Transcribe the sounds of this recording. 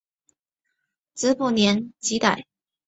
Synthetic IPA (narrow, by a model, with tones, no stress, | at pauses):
t͡sɹ̩˧˥pu˥˩njɛ˧˥nt͡ɕi˧˥t̪a˨˩˦ɪ